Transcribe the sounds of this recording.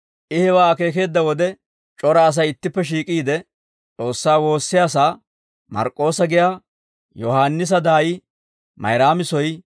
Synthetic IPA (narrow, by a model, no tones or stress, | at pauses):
ʔɪhɛwaːke̞ːk̬e̞ːd̪ːɐwɔd̪ɛ | t͡ʃʼɔɾaːs̬ɐjɪt̪ːɪpːɛʃ̬iːkʼiːd̪ɛ | t͡sʼo̞ːsːaːwo̞ːsːɪjaːsaː | mɐ̰ɾkʼːo̞ːsɐɡɪjaː | jɔhaːnːɪs̬ɐd̪aːjɪ | mɐ̰jɾaːmɪsɔj